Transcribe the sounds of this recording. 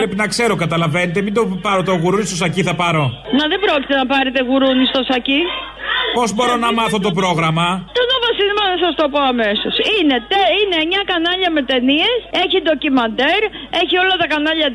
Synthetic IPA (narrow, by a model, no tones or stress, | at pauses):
pɾepinɐkse̞ɾo̞kɐt̪ɐlɐve̞net̪emind̪opɐɾot̪oɣuɾunist̪osɐciθɐpɐɾo̞nɐðebɾoocʲi̥t̪e̞nɐpɐɾet̪e̞ɣuɾunist̪o̞sɐci | po̞zbo̞ɾo̞nɐmɐθot̪o̞pɾo̞ɣɾɐmɐt̪onovɐsinimɐnɐsɐst̪o̞poɐme̞so̞sinet̪einemɲɐkɐnɐʎɐme̞t̪enie̞se̞çind̪o̞cimɐnd̪e̞ɾ | e̞çio̞lɐt̪ɐkɐnɐʎɐ